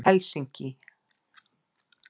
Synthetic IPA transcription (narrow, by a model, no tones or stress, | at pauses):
ɛlsiɲcɪ